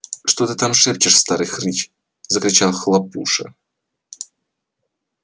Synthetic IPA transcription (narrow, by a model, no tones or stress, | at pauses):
ʂt̪ot̪ɨt̪amʂɛp̚t͡ɕɪʂst̪aɾɨjxɾʲit͡ɕ | zəkɾʲɪt͡ɕalˠxlˠɐpuʂɨ̰